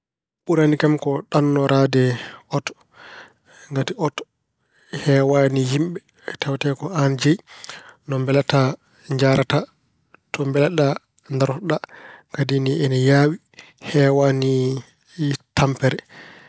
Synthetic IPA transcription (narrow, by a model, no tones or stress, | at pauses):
ɓuɾanikamkɔɗanːɔɾadɛʔɔtɔ̥ | ŋɡatiɔtɔ̥ | hɛːwanihimɓɛ | tawtɛkɔand͡ʒɛjnɔmbɛlata | ɲd͡ʒaɾata | tɔmbɛlaɗa | ndaɾɔɗakadiniɛnɛjaːwi | hɛːwani | tampɛɾɛ